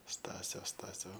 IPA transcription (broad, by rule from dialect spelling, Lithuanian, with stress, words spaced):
ˈstɑːsʲoː ˈstɑːsʲoː